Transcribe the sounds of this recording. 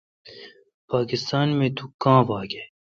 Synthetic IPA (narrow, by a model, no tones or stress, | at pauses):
paːkɪst̪aːnmẽt̪ukãːbaːɡe